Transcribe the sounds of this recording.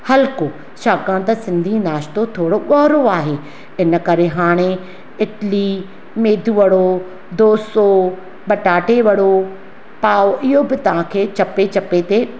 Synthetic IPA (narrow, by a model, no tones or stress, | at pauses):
hɐlko | ʃaːkãt̪ɐsɪ̃nd̪ʱinaːʃt̪ot̪ʰoːɽoɠɔːɦɾoaːɦeː | ɪnə̆kɐɾeɦaːɽ̃e | ɪʈli | meːd̪ʱuʋɐɽo | d̪oːso | ɓɐʈaːʈeʋɐɽo | paːoʔɪɦobɪt̪ɐʋ̤ãkʰeːt͡ɕɐpet͡ɕɐpet̪eː